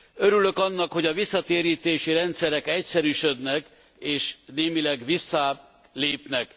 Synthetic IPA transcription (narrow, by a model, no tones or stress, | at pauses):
øɾylø̞kɒnːɒkho̞ɟɒvisːɒt̪eːɾiːt̪eːʃiɾɛnt̪sɛɾɛkɛcsɛɾyːʃø̞d̪nɛk | eːʃneːmilɛɡʋisːɒ | leːpnɛk